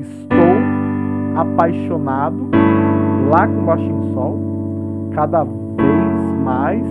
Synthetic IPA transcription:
ɪst̪ow | apajʃonad̪ʊ | lakõwaʃĩsõw | kad̪ɐ | vejzmajs

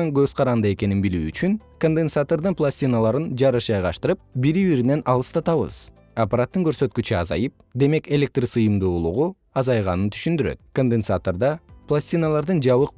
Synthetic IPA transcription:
ɑŋɡø̞z̥qʰɑɾɑnd̪ɯe̞ke̞ninbilyːt͡ʃyŋko̞nd̪ensat̪o̞ɾd̪ɯnplˠasʲt̪ʲinalˠɑɾɯnd͡ʒɑɾɯʃɑjʁɑʃt̪ɯɾɯp̚biɾiβiɾine̞nʔɑlˠɯst̪ɑt̪ɑβɯ̰z̥ | apaɾat̪ːɯŋɡø̞ɾsø̞t̪kyt͡ʃyɑ̰zɑ̰jɯp̚d̪e̞me̞ke̞lʲe̞k̚t̪risɯjɯmd̪uːlˠuʁu | ɑzɑjʁɑ̰nɯnt̪ʰy̥ʃynd̪yɾø̰t̪̚ko̞nd̪ensat̪o̞ɾd̪ɑplˠasʲt̪ʲinalˠɑɾd̪ɯnd͡ʒɑβɯq

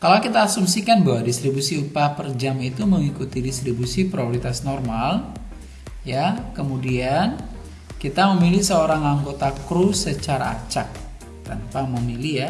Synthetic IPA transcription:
kalawkit̪aːsumsikanbawadist̪ɾibusiupapərd͡ʒamit̪uməŋikut̪idist̪ɾibusipɾooɾit̪asnɔrmal | jakəmudian | kit̪aməmilihsəoɾaŋaŋɡot̪akɾusət͡ʃaɾa̰ːt͡ʃak̚ | t̪anpaməmilija

